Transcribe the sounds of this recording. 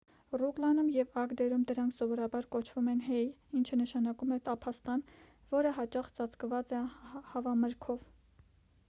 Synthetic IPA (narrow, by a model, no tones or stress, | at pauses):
ruklɑnumjɛvɑkd̪ɛɾumd̪əɾɑŋkʰsɔvɔɾɑbɑɾkɔt͡ʃʰv̥umɛnɦɛjint͡ʃʰənəʃɑnɑkumɛt̪ɑpʰɑst̪ɑn | vɔɾəɦɑt͡ʃɑχt͡sɑt͡skvɑt͡sɛhɑvɑməɾkʰɔv